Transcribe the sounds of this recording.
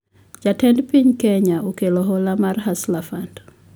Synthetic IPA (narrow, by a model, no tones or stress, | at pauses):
d͡ʒatɛndpiɲkɛɲaukɛlɔɦɔlamaɾɦaslafand